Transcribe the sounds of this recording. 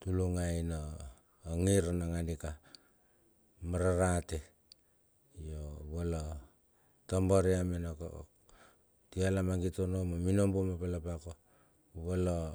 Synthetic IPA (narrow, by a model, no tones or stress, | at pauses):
tuluŋajnoː | ŋiɾonaŋandika | maɾaɾate | joβolo | tomboɾiamenok | tialamaŋɡitonomominombomapalapako | βolo